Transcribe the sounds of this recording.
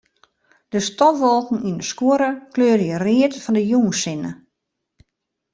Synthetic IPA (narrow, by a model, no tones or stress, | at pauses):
d̥əstɔʋolˠkŋ̩inəskuəɾəkløːɾjərɪətfɔndəjuːnsɪnə